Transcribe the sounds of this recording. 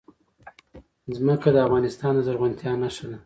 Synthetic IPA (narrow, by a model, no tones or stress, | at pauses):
zməkad̪əafɣɑnɪst̪ɑnd̪əzaɾɣant̪jɑnaʂala